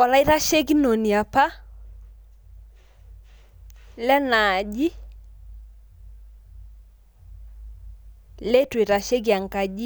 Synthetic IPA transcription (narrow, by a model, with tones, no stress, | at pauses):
wa˨la˦i˦ɾa˦ʃe˦k̬i˦no˨ni˨a˨pa˦ | lɛ˦na˨ʄi˦ | le˦twi˨ɾa˨ʃe˦k̬i˨a˨ŋka˨d͡ʒi˦